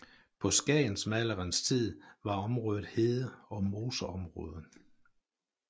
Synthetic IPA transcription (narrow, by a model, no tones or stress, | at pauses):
pʰɒ̽sɡ̥ɛ̰ːnsmælɐʁənst͡sʰið̰ˠʋɑ̈ɒ̽mʁɔ̽ːðˠð̩ˠhe̝ðˠəɒ̽mo̝ːsəɒ̽mʁɔ̽ːð̞ˠə